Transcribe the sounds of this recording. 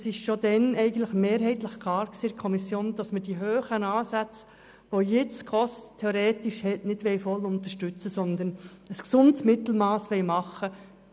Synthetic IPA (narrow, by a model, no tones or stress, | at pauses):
sɪʃʃod̥̪ɛnɛɪɡən̩tləχmeːɾɦɛɪt̪ləχkʰlɑːɾksiːdkʰɔmisjoːnd̥ɑsməd̥iɦøːχənɑːsæt͡s | ʋojɪt͡skʰɔsttʰːeoɾɛːtɪʃhɛtnɪd̥ʋɛɪfɔlʊnt̪əʃtʉt͡səsɔnd̪ənəsksʊndsmɪt̪l̩mɑːsʋɛɪmɑχːə